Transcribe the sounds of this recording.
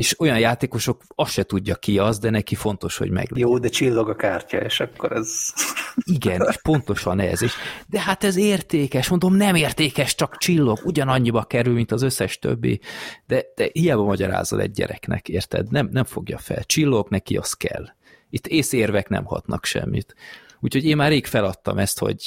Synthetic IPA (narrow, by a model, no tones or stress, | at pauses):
eːʃo̞jɒnjaːt̪eːko̞ʃo̞kɒsʃɛt̪uɟːɒkiɒzd̪ɛnɛkifo̞nt̪o̞ʃho̰ɟmɛ̰ɡjoːd̪ɛt͡ʃilːoɡɒkaːrcɒ̰eʃɒkːoɾɛz | iɡɛneːʃpo̞n̪t̪o̞ʃɒnɛ̰zeːʃd̪ɛɦat̪ɛzeːrt̪eːkɛʃmo̞nd̪o̞mnɛmeːrt̪eːkɛʃt͡ʃɒkt͡ʃilːo̞ɡuɟɒnɒɲːibɒkɛɾylmint̪ɒzø̞sːɛʃt̪ø̰bːḭd̪̥ɛd̪̥ɛhijaːbɒmɒɟɒɾa̰ːzo̰lɛ̰ɟ̚ːɛ̰ɾɛknɛ̰keːrt̪ɛ̰d̪nɛmnɛɱfoɡjɒfɛ̰lt͡ʃilːo̞ɡnɛkiɒst̪̚kɛ̰lː | it̪ːeːseːrvɛknɛ̰mhɒ̰t̪nɒkʃɛ̰mːit̪uːchoɟeːnmaːrːeːkfɛlɒt̪ːɒmɛst̪ho̞̰ɟ